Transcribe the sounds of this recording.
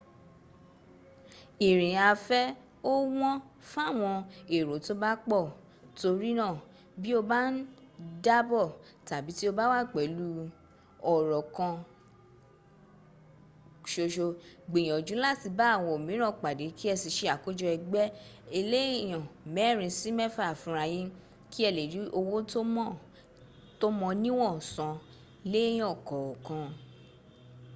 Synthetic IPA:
i˨ɾ̃ĩ˨a˧fɛ˦ | o˦w̃ɔ̃˦ | fa˦˨w̃ɔ̃˧e˨ɾo˨˦to˦ba˦k͡pɔ˦˨ | to˧ɾi˦nã˦˨ | bi˦o˧ba˦n̩˦da˦bɔ˦˨ | ta˨bi˨˦ti˦o˧ba˦wa˦˨k͡pɛ˨˦lu˦ | ɔ˨ɾɔ˨kã˧ | ʃo˧ʃo˧ɡ͡be˨j̃ɔ̃˨d͡ʒu˨˦la˦ti˧ba˦˨w̃ɔ̃˧˨o˨mĩ˨˦ɾ̃ɔ̃˦˨k͡pa˨de˨˦ki˦ɛ˧˨si˨˧ʃe˧˦a˨ko˦d͡ʒɔ˧ɛ˧ɡ͡bɛ˦e˧le˦˨j̃ɔ̃˨mɛ̃˨˦˨ɾ̃ĩ˧si˦mɛ˦fa˦˨fũ˧˦ɾa˧j̃ĩ˦ | ki˦ɛ˧˨le˨ɾi˨˦ʔo˧wo˦to˦mɔ̃˦˨ | to˦mɔ̃˧nĩ˦w̃ɔ̃˦˨sã˧ | lẽ˦ɔ˦˨kɔ˨ɔ˨kã˧

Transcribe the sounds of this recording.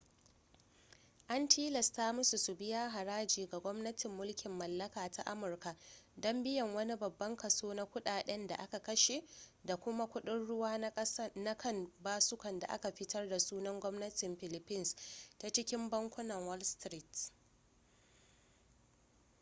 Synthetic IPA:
ʔa˦ntʰiː˦lɐ˨staː˦mʊ˦su˨su˨bɪ˦jaː˦ɦa˨ɾaː˦d͡ʒiː˨ɡa˨ɡʷɔ˦mnɐ˦tɪ˨mːʊ˦lkʲɪ˨mːɐ˨lːɐ˦kaː˨ta˦ʔa˦mʊ˨rka˨dɔ˦mbɪ˦jɐ˨ŋwɐ˦ni˦bɐ˨bːɐ˦ŋkɐ˨soː˦na˦kʷʊ˦ɗaː˨ɗɛ˦nda̰˨ʔa˦ka˨kɐ˦ʃe˨da˨kʷʊ˦ma˦kʷʊ˦ɗɪ˦nɽʊ˦waː˦na˦kɐ˦˨nbaː˦sʊ˦kɐ˨nda̰˨ʔa̰˦ka˨ɸɪ˦tɐ˦rda˨suː˦nɐ˦ŋɡʷɔ˦mnɐ˦tɪ˨mɸɪ˦˨lɪ˦pːɪ˦nsta˦t͡ʃɪ˦kʲɪ˦mbɐ˦ŋkʷʊ˦nɐ˨ŋwɔ˦lstɾi˦t

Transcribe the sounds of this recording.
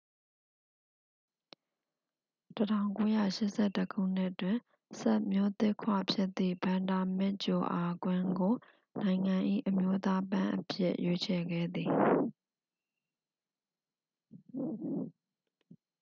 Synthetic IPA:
tətʰã˦˨ŋko˦jä̰˦˨ʃɪ˦ʔsʰɛ˦˨təkʰṵ˦˨n̥ɪ˦ʔtwɪ̃˨ | sɛ˦ʔmjo˦t̪ɪ˦ʔkʰwa̰˦˨pʰjɪ˦ʔt̪ːḭ˦˨bã˨nda˨mɪ˦ʔt͡ɕo˨ʔa˨ɡwɪ̃˦ŋɡo˨ | nã˨ɪ̃ŋã˨ʔḭ˦˨ʔəmjo˦t̪a˦pã˦ʔə̰pʰjɪ̰˦ʔjʔe˦t͡ɕʰɛ˨ɡɛ̰˦˨d̪i˨

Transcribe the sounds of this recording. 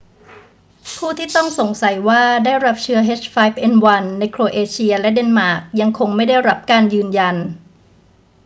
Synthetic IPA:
pʰuː˥˩t̪ʰiː˥˩t̪ɔ˥˩ŋso˩˦ŋsa˩˦jwaː˥˩daː˥˩jɾa˦˥p̚t͡ɕʰɯ˦˥ɐɦe˦˥t͡ɕfaː˦˥jp̚ʔe˧nwa˧nːa˧jkʰɾoː˧ʔeː˧t͡ɕʰi˧ɐlɛ˦˥de˧nmaː˨˩k̚ja˧ŋkʰo˧ŋma˥˩jda˥˩jɾa˦˥p̚kaː˧njɯː˧nja˧n

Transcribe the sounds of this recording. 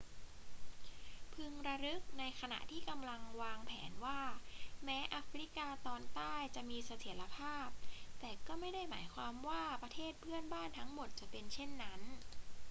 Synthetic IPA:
pʰɯ˧ŋɾa˧ɾɯ˦˥k̚na˧jkʰa˧na̰˨˩ʔt̪ʰiː˥˩ka˧mla˧ŋwaː˧ŋpʰɛ̰ː˩˦nwaː˥˩mɛː˦˥ʔa˦˥fɾi˦˥kaː˧t̪ɔː˧nt̪aː˥˩jt͡ɕa˨˩ʔmiː˧sa˧t̪ʰi˨˩˦la˧pʰaː˥˩p̚t̪ɛː˨˩kɔː˥˩ma˥˩jda˥˩jmaː˩˦jkʰwaː˧mwaː˥˩pɾa˧t̪ʰeː˥˩t̪̚pʰɯ˥˩ənbaː˥˩nt̪ʰa˦˥ŋmo˨˩t̪̚t͡ɕa˨˩pe˧nt͡ɕʰe˥˩nːa˦˥n

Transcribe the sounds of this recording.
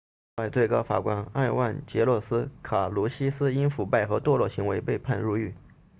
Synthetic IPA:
wa˥˧ɪt͡swe˥˩ɪkɑ˥ʊfa̰˨˩kwa˥na˥˧ɪwa˥˩nt͡ɕjɛ˧˥lwɔ˥˩sɹ̩˥kʰa˨˩lu˧˥ɕi˥sɹ̩˥i˥nfu˨˩pa˥˩ɪxɤ˧˥t̪wɔ˥lwɔ˥˩ɕi˧˥ŋwe˧˥ɪpe˥˧ɪpʰa˥˧nɻu˥˧y˥˩

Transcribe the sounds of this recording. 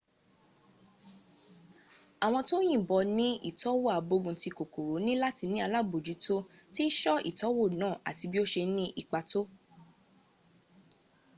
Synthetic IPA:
a˨w̃ɔ̃˧to˦j̃ĩ˦˨bɔ˧nĩ˦ḭ˦˨tɔ˨˦wo˦˨a˨bo˧ɡũ˧ti˧ko˨ku˨ɾo˨˦nĩ˦la˦ti˧nĩ˦a˧la˦˨bo˨d͡ʒi˨˦to˦ti˦ʃɔ˦ḭ˦˨tɔ˨˦wo˦˨nãː˦˨a̰˨ti˧bi˦o˦ʃe˧˦nĩ˦ʔi˨k͡pa˧to˦

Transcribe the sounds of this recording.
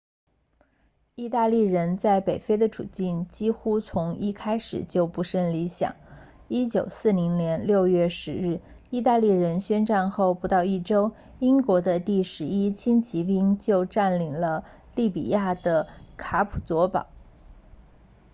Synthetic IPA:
i˥˧t̪a˥˧li˥˩ɻə˧˥nt͡sa˥˩ɪpe˨˩ɪfe˥ɪd̪ə˨ʈ͡ʂʰṵ˨˩t͡ɕi˥˩nt͡ɕi˥xu˥t͡sʰʊ˧˥ŋi˥˩kʰa˥ɪʂɻ̩̰˨˩t͡ɕjo˥˩ʊpu˧˥ʂə˥˩nli˧˥ɕjɑ̰˨˩˦ŋ | i˥t͡ɕjo˨˩ʊsɹ̩˥˩ni˧˥ŋnjɛ˧˥nljo˥˧ʊjɛ˥˩ʂɻ̩˧˥ɻɻ̩˥˩ | i˥˧t̪a˥˧li˥˩ɻə˧˥nɕɥɛ˥nʈ͡ʂa˥˧nxo˥˩ʊpu˧˥t̪ɑ˥˧ʊi˥˩ʈ͡ʂo˥ʊ | i˥ŋkwɔ˧˥d̪ə˧t̪i˥˩ʂɻ̩˧˥i˥t͡ɕʰi˥nt͡ɕʰi˧˥pi˥ŋt͡ɕjo˥˧ʊʈ͡ʂa˥˩nli˨˩ŋlə˦ | li˥˩pḭ˨˩ja˥˩d̪ə˩kʰa˧˥pʰu̥˨˩t͡swɔ˧˥pɑ̰˨˩˦

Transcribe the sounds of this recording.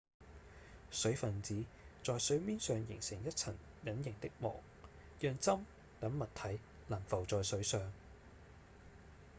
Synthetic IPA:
sɵ˨˥ɥfɐ˨nt͡siː˨˥t͡sɔː˨˧jsɵ˨˥ɥmiː˥nsœː˨ŋjɪ̰˨˩ŋsɪ˨˩ŋjɐ˥t̚t͡sʰɐ˨˩n | jɐ˨˥njɪ˨˩ŋt̪ɪ˥k̚mɔ̰ː˨˩ŋ | jœː˨˧ŋt͡sɐ˥m | k̪ɐ˨˥nmɐ˨t̪ʰɐ˨˥j | laː˨˩mfɐ˨˩wt͡sɔː˨jsɵ˨˥ɥsœː˨ŋ

